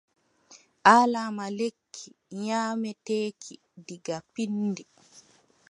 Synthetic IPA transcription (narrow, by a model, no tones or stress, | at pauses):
ʔaːlamalekʰːiɲaːmɛteːkʰi | diɡapinːdi